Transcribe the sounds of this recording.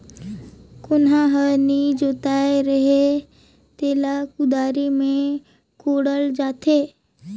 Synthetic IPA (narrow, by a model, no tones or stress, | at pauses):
kʊnɦãɦənid͡ʒoːt̪aeɾəɦe | t̪eːlakʊd̪aːɾimẽ | koːɽəld͡ʒaːt̪eː